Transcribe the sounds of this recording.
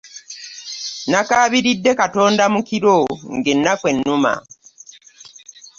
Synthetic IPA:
nakaːβiɾidːe̞kato̞ːndamukiɾoŋɡenːakwe̞nːuma̰

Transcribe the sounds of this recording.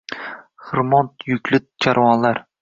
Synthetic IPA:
χɨɾmɒnt̪jʊkʲʰlɪt̪̚t͡ʃʰaɾwɒnlaɾ

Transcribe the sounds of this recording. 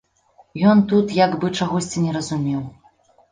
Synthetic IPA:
jɔnt̪ut̪jaɡbɨt͡ʂaɣɔsʲt͡sʲinʲɛɾɐzumʲɛw

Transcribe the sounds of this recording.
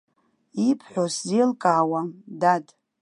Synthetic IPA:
ipʰħʷᶣoszelkʼaːwadad

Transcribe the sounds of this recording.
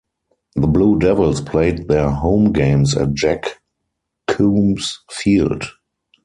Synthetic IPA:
ðəbluːdɛvəlspʰleɪt̚ðɛəɦõʊ̃mɡẽɪ̃msæ̰t̚d͡ʒækːʰ | ũːmsfiːld

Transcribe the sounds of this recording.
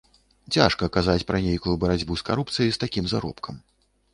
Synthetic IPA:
t͡sʲa̰ʂkɐkazat͡sʲpɾɐnʲejkujubɐɾad͡zʲbuskaɾupt̪sɨjist̪akʲimzaɾɔ̰pkʰɐm

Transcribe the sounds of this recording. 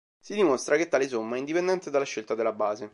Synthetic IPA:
sid̪imost̪ɾaket̪ːaːlesomːaɛind̪ipend̪ɛnt̪ed̪alːaʃːelt̪ad̪elːabaːze

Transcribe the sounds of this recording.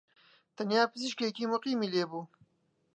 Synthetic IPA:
t̪ɐnjaːpɨziʃkekiːmʊqiːmiːleːbuː

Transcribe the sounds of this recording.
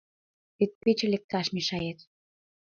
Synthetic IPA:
et̪̚pet͡ɕĕlʲek̚t̪ɑʃmiʃɑjet̪

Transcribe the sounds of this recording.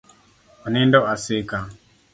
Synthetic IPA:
anindɔʔasɪka

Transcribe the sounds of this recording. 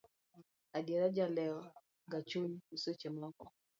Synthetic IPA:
adɛɾad͡ʒalɛɔ | ŋɡat͡ʃuɲusot͡ʃɛmɔkɔ

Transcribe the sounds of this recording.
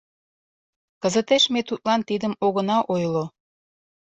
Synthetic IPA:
kəzət̪eʃmet̪ut̪̚lɑnt̪id̪əmoɣənɑʔojlo

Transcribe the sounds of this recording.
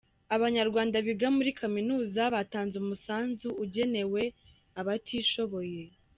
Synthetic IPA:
aβaɲaɾɡwaːndaβiɡamuɾikʰaminuːzaβataːnzumusaːnzuuɟe̞ne̞we̞ | aβatʰiːʃo̞βo̞je̞

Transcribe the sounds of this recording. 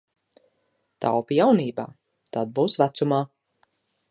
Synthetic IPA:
t̪ʰa̰wpijawniːba̰ː | t̪ad̪̚buːsvæt̪sumaː

